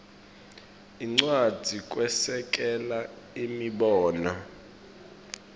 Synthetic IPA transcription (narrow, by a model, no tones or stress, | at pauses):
iŋ͡ǀwad̥ʱik̬ʼwɛsɛk̬ʼɛla | imiɓɔːna